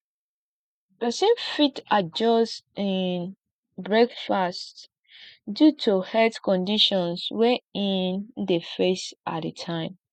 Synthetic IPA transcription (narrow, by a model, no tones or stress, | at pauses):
bəsẽmfitad͡ʒɔstin | bɹɛkfast | djutʰuhɛtkɔ̃ndiʃɔ̃nswɛĩndefesʔa̰detʰãɪ̃m